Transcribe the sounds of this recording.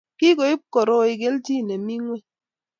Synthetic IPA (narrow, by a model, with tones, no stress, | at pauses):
ki˦ko˨i˦p̚kɔ˨ɾo˦i˨ɡe˦lti˦˨ne˨mi˦ŋwe˦